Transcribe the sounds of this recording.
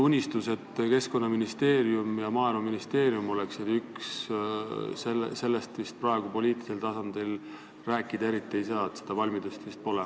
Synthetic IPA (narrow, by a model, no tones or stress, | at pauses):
unʲːist̪use̞t̪ːˑke̞sko̞nːɑminist̪e̞ːɾjumjɑmɑːiɾmɑminist̪e̞ːɾiumo̞leksid̪yks | selse̞lːest̪mist̪̚prɑeɡ̥upo̞liːt̪ise̞lt̪ɑsɑnd̪̥il | ræːkːˑid̪̥ɑe̞ɾit̪ːˑie̞jsɑːet̪se̞d̪̥ɑvɑlʲmid̪̥ust̪vist̪̚po̞lɛ